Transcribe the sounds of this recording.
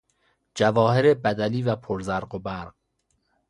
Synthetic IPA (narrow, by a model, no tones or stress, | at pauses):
d͡ʒævɒːheɾebæd̪æliːvæpʰoɾzæɾɢobæɾɢ̚